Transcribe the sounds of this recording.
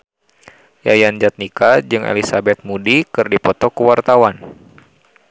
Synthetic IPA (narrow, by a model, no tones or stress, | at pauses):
jajand͡ʒat̪̚nikad͡ʒɨŋʔḛlisabɛt̪̚mudikɨrdipɔt̪ɔkəwart̪awan